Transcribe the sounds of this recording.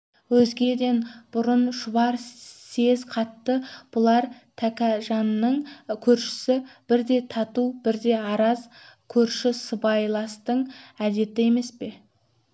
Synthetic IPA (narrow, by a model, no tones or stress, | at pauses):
wɵzɡʲe̞d̪e̞nb̥ʊɾʊnʃʊbɑɾse̞zqʰɑt̪ːəb̥ʊlˠɑɾt̪ʰækʲæʒɑnːəɴkʲʰɵɾʃɪ̥sɪb̥ɪɾd̪e̞t̪ʰɑt̪ubɪɾd̪e̞ɑɾɑzkʲʰɵɾʃɪsəbɑjlˠɑst̪əɴæd̪e̞t̪ɪe̞me̞spe̞